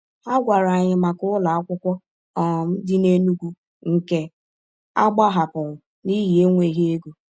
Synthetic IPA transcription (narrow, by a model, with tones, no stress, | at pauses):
a˦ɡʷa˨ɾa˨ɲɪ˨ma˨kʊ˦la˨a˦kʷʊ˦kʷɔ˦ | ɔ˨m̩˦dɪ˦ne˦nu˦ɡʷu˦ | ŋ̩˨ke˦ | a˦ɡ͡ba˦ɦa˨pʊ˨ɾʊ˨ | ni˦ɦi˨e˦ŋʷe˨ɦe˦e˦ɡu˨